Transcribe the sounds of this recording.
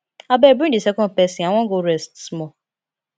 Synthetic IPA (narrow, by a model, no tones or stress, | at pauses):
abɛːbidisekɔnpɛsiaŋʷɔ̃ŋɡoɾɛstsmɔ